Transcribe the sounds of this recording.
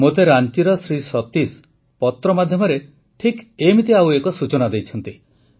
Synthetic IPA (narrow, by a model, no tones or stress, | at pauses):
mot̪eɾant͡ʃiɾɔsɾisɔt̪is | pɔt̪ɾɔmad̪ʱjɔmɔɾe | ʈʰikemit̪iawekɔsut͡ʃɔnad̪ejt͡ʃʰɔnt̪i